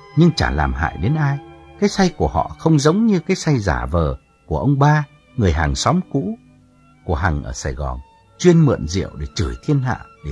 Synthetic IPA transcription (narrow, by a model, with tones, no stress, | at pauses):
ɲɨ˧ŋt͡ɕaː˧˩laː˨˩mha̰ː˧˨jɗe˨˦nʔaː˧jkaː˨˦jsa˧jku˧˩əhɔ̰˧˨xə˧wŋ͡mzə˨˦wŋ͡mɲɨ˧kaː˨˦jsa˧jzaː˧˩vəː˨˩ | ku˧˩əʔə˧wŋ͡mɓaː˧ | ŋɨ˨˩əjɦaː˨˩ŋsɔ˨˦mkṵ˧˥ | ku˧˩əɦa˨˩ŋʔəː˧˩saː˧˩jɣɔ˨˩n | t͡ɕwi˧ənmɨ̰˧˨nzḭ˧˨əwɗe˧˩t͡ɕɨ˧˩jt̪ʰi˧ənɦa̰ː˧˨ɗe˧˩